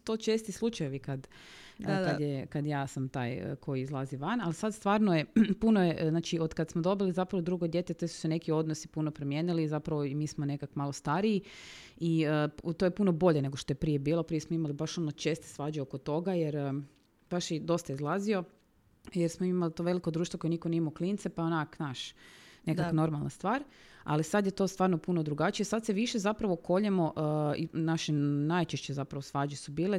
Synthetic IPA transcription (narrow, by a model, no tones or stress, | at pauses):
t̪ot͡ʃeːst̪islˠut͡ʃajeʋikad̪ | kajekad̪jaːsamt̪aːjə̰kʰo̞jiizlˠaziʋanalisad̪st̪ʋaːɾnojepunojeʔznaːt͡ʃio̞d̪kad̪smod̪o̞bilizapɾaʋod̪ɾuɡo̞d̪je̞t̪et̪esu̥sene̞kio̞d̪nosipunopɾomjeːnilizapɾaʋoimiːsmone̞kakomaːlost̪aɾiiiət̪ojepuno̞bo̞ʎene̞ɡoʃt̪o̞jepɾijebiːlˠo̞pɾijesmoimalibaʃo̞not͡ʃe̞ːst̪e̥sʋaːd͡ʑeokot̪o̞ɡajeɾ | b̥aʃjed̪o̞st̪ajizlˠazio̞ | jeɾsmoiimalit̪oʋe̞likod̪ɾuːʃt̪ʋokojnikoniimauklint̪sepaonaknaːʃnekakno̞ɾmalˠnast̪ʋaːɾa̰lisad̪jet̪o̞st̪ʋaːɾnopunod̪ɾuɡat͡ʃijesad̪seʋiʃezapɾaʋo̞ko̞ʎemoʔinaʃenajt͡ʃeʃt͡ɕezapɾaʋosʋaːd͡ʑesubiːle